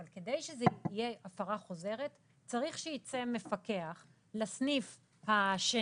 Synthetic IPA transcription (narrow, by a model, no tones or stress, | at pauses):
alked̪ejʃezeijeʔafaʁaχo̞ze̞ʁet | t͡saʁiχʃejit͡seme̞fake̞aχ | lasnif | haʃe